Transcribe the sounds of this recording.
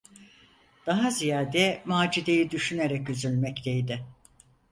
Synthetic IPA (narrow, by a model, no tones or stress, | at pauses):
d̪̥aɦazijaːd̪ɛmaːd͡ʒid̪e̞jid̪yʃyneɾɛkyzylʲmɛct̪ʰejd̪ɪ